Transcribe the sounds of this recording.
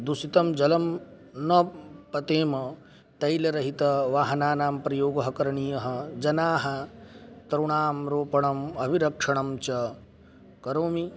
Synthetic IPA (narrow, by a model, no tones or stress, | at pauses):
d̪usit̪ɐmd͡ʒɐlɐm | nɐpɐt̪eːmɐ | t̪ɐjlɐɾɐɦit̪ɐʋaːɦɐnaːnaːmpɾɐjoːɡɐɦɐkɐɾɐɳijɐɦɐ̆d͡ʒɐnaːɦɐt̪ɐɾuɳaːmɾoːpɐɳɐmɐbiɾɐkʂɐɳɐmt͡ʃɐ | kɐɾoːmi